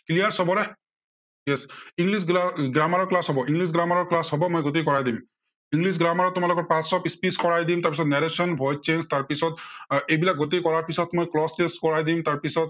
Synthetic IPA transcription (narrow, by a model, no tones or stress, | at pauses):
klijaɹsɔbɔɾɛ | jɛsiŋlisɡɾamaɾɔɹklasɦɔbɔʔiŋɡlisɡɾamaɹɔɹklasɦɔbɔmojɡot̪ekɔɹajd̪im | iŋɡlisɡɾamaɾɔtʊmalɔkɔɹpãtsɔpispiskɔɹajd̪imt̪aɹpisɔt̪nɛɾesɔnbʱɔj̚t͡ʃenst̪aɹpisɔt̪̚ejbilak̚ɡot̪̬ejkɔɹaɹpisɔt̪mojklɔsteskɔɹajd̪imt̪aɹpisɔt̪̚